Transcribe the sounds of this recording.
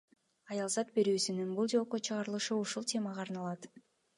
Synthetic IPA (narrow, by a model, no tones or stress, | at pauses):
ɑjɑlˠzɑt̪̚be̞ɾyːsynynbulˠd͡ʒo̞ːqot͡ʃʰɯʁɑɾɯlˠɯʃɯuʃulˠt̪ʲʰe̞mɑʁɑːɾnɑlˠɑt̪